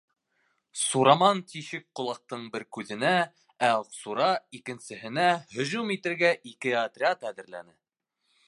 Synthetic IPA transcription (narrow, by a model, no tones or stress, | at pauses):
suɾɑmɑnt̪iʃɘk̚qŏlˠɑq̚t̪ɤɴbɘɾkʉðɘ̆næ | æsuɾɑikɘ̆nsɘ̆ɦɘ̆næhɵ̆ʑumit̪ɘ̆ɾɡæʔikɘɑt̪rʲɪat̪æðɘ̆ɾlæ̰nɘ